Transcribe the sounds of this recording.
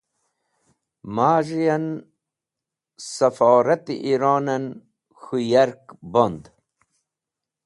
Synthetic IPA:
maːʒijan | sɐfaːɾɐt̪ḭʔiɾaːnɐn | xujaɾkbond̪

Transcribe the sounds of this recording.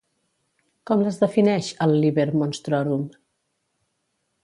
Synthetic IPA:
kɔmləzðəfinɛʃəlˠːiβeɾmonst̪ɾɔɾum

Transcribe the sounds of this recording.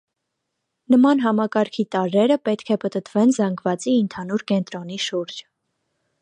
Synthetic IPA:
nəmɑnɦɑmɑkɑɾkʰit̪ɑɾɛɾəpɛt̪kʰɛpət̪ət̪vɛnzɑŋɡvɑt͡siːnt̪ʰɑnuɾkɛnt̪ɾɔniʃuɾd͡ʒ

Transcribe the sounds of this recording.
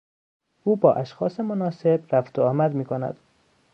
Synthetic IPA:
uːbɒːʔæʃxɒ̰ːsemonɒːse̞bɾæft̪ʰoɒːmæd̪miːkʰonæ̰d̪̥

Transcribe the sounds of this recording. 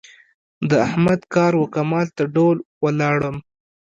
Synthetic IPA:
d̪əahmad̪kɑɾwakamɑlt̪aɖolwəlɑɽəm

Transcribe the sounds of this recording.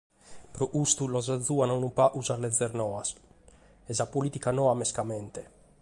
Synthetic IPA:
pɾɔʔust̪ulɔzad̪zuanawnupaʔuzaɾlɛd̪zːɛɾnɔas | ɛzapolit̪ikanɔamɛskamɛnt̪e

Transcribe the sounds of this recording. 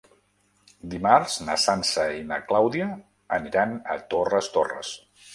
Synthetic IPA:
d̪imaɾz̥nəsansəinə̰klawðiə | əniɾanət̪orəst̪orə̰s

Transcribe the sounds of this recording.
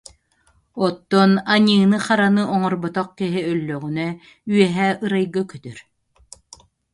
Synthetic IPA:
ɔt̪ːɔnaɲɯːnɯχaɾanɯʔɔŋɔɾbɔt̪ɔq̚kiɦiœlːœɣynœ | yɛɦɛːʔɯɾajɡakœt̪œɾ

